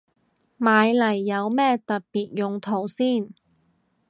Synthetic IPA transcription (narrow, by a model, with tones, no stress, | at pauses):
maː˨˧jlɐ˨˩jːɐ˨˧wmɛː˥t̪ɐ˨t̚piː˨t̚jʊ˨˧ŋt̪ʰo˨˩wsiː˥˩n